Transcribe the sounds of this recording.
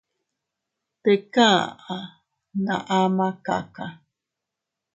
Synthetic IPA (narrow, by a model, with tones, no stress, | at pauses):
t̪e˨kã˦a˨ | nã̰˨ʔa˦mã˦ka̰˨ka˨